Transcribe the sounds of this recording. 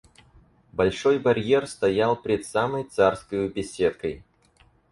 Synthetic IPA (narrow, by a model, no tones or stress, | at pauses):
bɐlʲʂo̞jbɐɾʲjerst̪ɐjalˠpʲɾʲɪt̪saməjt̪sarskəjʊbʲɪsʲet̪̚kəj